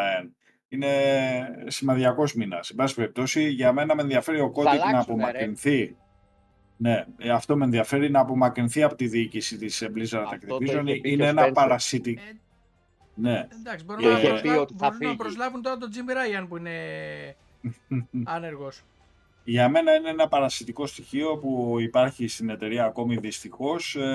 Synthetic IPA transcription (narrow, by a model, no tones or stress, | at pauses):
n | ine̞ | simɐnðiɐko̞zminɐsebɐsi̥pe̞ɾip̚t̪o̞siʝɐme̞nɐmenðiɐfe̞ɾio̞ko̞d̪iznɐːpo̞mɐkɾinθi | ne̞ɐft̪o̞menðiɐfe̞ɾinɐːpo̞mɐkɾinθiɐpot̪iðiːcisit̪iseblizɐɾɐt̪ɐkt̪ivizonineenɐpɐɾɐsit̪i | ne̞d̪ɐksiboɾu | ɾunpɾozlɐvunt̪oɾɐt̪od͡zimbiɾɐjɐnpuine | ɐneɾɣos | ʝɐme̞nɐineenɐpɐɾɐsit̪iko̞st̪içio̞puipɐɾçist̪ine̞t̪e̞ɾiɐːko̞miðist̪ixo̞s